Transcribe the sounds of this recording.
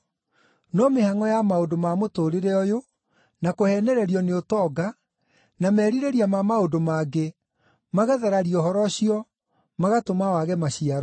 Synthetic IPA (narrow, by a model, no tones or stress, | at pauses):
nɔmehaŋɔjamaodomamotoːɾeɾɛɔjo | nakohɛːnɛɾɛɾiɔneotɔɡa | namɛːɾiɾeɾiamamaodomaɡe | maɣaðaɾaɾiɔhɔɾɔɕiɔ | maɣatomawaɣɛmaɕiaɾɔ